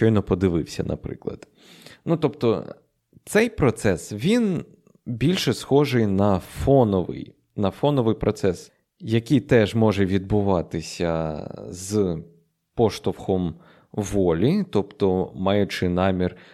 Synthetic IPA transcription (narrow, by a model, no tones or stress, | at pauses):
ʃt͡ʃɔjnɔpɔd̪ɪʋɪwsʲɐ̰nɐ̰pɾɪ̰klˠɐ̰d̪̥ | nut̪ɔp̚t̪ɔ̰ | t̪sɛjpɾɔt̪sɛsʋʲin | bʲilʲʃɛsxɔʒɪjnɐfɔnɔʋɪ̰j | nɐfɔnɔʋɨjpɾʔɔt̪sɛs | jɐkʲijt̪ɛʒmɔʒɛʋʲid̪̚bʊʋɑt̪ɪsʲɐz | pɔʃt̪ʊwxɔm | ʋɔlʲit̪ɔpt̪ɔmɑjʊt͡ʃɪnɑmʲir